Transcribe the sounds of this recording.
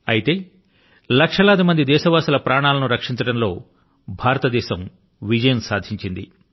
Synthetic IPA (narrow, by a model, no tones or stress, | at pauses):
ɐ̰jit̪e̞ː | lɐkʂɐlaːd̪imɐnd̪id̪ɛːʃɐʋaːsɐlɐpɾaːɳaːlɐnuɾɐkʂint͡ʃɐɽɐmlo̞ː | bʱaːɾɐt̪ɐd̪ɛːʃɐm | ʋid͡ʒɐjɐmsaːd̪ʱiɲt͡ʃind̪ḭ